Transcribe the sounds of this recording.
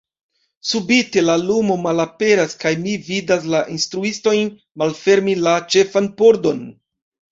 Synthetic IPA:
subite̞lalumo̞malape̞ɾaskajmividas̬laʔinstɾuisto̞jn | malfe̞ɾmilat͡ʃe̞fanpo̞ɾdo̞n

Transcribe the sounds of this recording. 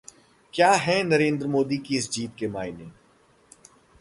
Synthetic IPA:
kjaːɦɛ̃nɐɾẽːnd̪əɾmoːd̪ikiɪsd͡ʒiːt̪̚kemaːɪneː

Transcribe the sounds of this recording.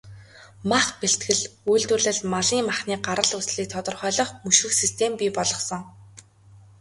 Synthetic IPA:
maχpeɬt̪ɡɘ̆ɮujɮt̪wɵ̆ɮɘ̆ɮmaɮiːŋmaχniːɢaɾə̆ɮusɮiːk̚t̪ʰɔt̪ɞ̆rχœːɮɞ̆χmɵʃɘ̆xsist̪ʰempʲiːpɔɮɞ̆χsɞ̆ŋ

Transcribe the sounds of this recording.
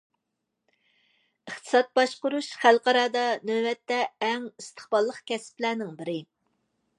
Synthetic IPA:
əχt̪ʰɨ̥sɑt̪̚bɑʃqʊɾuʃχælqɑɾɑːd̪ɑnøwɛt̪ːɛɛŋist̪ʰə̥χbɑlˠːəqkʲɛsɪ̥plæːnɪŋbɪɾɪ

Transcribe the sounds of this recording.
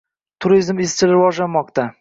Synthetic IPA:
t̪ʰʊɾizmest͡ʃʰɪlɾɪvɒʒlanmɒqt̪a

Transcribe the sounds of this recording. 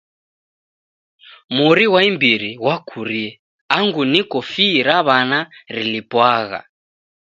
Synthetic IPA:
muɾiwaimbiɾiɣwakʰuɾiɛ | aŋɡunikɔfiːɾaβanaɾilipwaɣa̰

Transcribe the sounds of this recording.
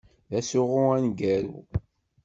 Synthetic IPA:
ðæsʊʁʊænɡæɾṵ

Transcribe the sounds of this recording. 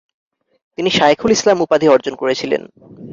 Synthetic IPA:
t̪iniʃaekʰulislamupad̪ʱiɔɾd͡ʑonkoɾet͡ɕʰilḛn

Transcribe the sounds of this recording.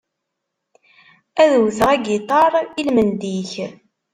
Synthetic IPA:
æðwθʁæɡit̪ˤɑɾˤilmənd̪iç

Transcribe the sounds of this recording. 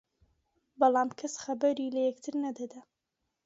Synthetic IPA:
bɑlˠamkʰɐsxɐbɐɾilɐjɛkt̪ʰɨɾnɐd̪ɐd̪a

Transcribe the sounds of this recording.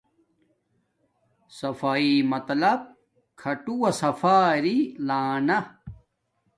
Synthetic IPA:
sɐfaːimɐt̪lɐb̚ | kʰɐʈuwɐsɐfaːɾilaːnɐ

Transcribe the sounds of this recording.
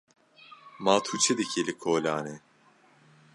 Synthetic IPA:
maːt̪ʰut͡ʃʰed̪ɨkʰilɨkʰoːlaːne

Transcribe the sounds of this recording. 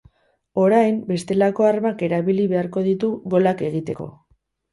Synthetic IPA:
o̞ɾajmbe̞st̪e̞lako̞armake̞ɾaβiliβe̞aɾko̞ðit̪uɣo̞lake̞ɣ̞it̪e̞ko̞̰

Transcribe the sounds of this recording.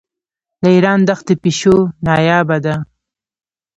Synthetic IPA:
d̪əiɾɑnd̪axəpiʃonɑjɑːbad̪a

